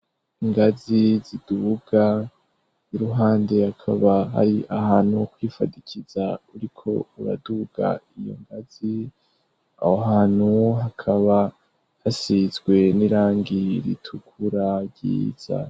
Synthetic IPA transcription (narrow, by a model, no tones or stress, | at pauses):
iŋɡazizid̥uɡ̥a | iɾuɦaːnde̞hakʰaβaɦa̰ɾiʔaɦaːnhukwiːfa̰dicʰizauɾikʰo̞̰uɾa̰duɡ̥a̰ijo̞̰ŋɡaz̥i | a̰hoɦaːn̥huɦakʰaβa | hasizɡwe̞niɾaːŋɡiɾḭtʰukʰuɾaɟḭːz̥a̰